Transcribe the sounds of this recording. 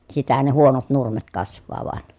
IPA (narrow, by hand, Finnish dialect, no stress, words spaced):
sitæhæn ne huonot nurmet kɑsʋˑɑː ʋŏɑn